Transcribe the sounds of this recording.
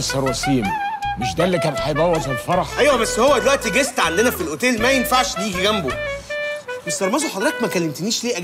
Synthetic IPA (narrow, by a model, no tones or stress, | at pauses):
sɑɾwæsiːmmeʃd̪æːelːikæːnet̪ħajbæwːæzelfɑɾˤɑħʔæjwæbæsːhowːæd̪elwæʔt̪iɡest̪ʕand̪enæfilʔot̪eːlmæjenfaʕʃliːɡiɡæmbo | bæsːɑɾˤmæzoħɑd̪ˤɾɑːt̪mækælːemt̪eniːʃliːʔæ